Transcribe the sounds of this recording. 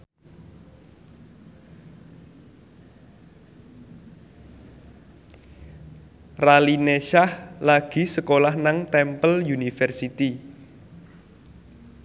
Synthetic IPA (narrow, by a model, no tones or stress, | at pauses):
ralineʃahlaɡ̥i̤səkolahnaŋt̪ɛmpəljunifɛrsit̪i